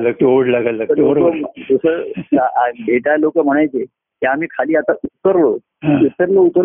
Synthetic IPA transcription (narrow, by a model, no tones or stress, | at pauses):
lək̚ʈoɽlaɡallət̪əɾoɾkəd̪usəaʔabeʈalokəm̤əɽ̃ajt͡se | ɦjaam̤iːkʰaliːat̪aʔut̪ːəɾlo | ut̪ːəɾlout̪ːəɾ